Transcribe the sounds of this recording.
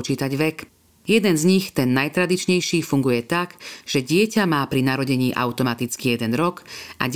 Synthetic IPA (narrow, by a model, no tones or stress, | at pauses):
t͡ʃiːt̪aɟʋɛk | jɛd̪ɛnzɲixt̪ɛnːajt̪ɾad̪it͡ʃɲɛjʃiːfuŋɡujɛt̪akʒ̥ɛɟɪɛcamaːpɾinaɾɔɟɛɲiːʔa̰ʊt̪ɔmat̪it͡skijɛd̪ɛnɾɔkʔa̰ɟ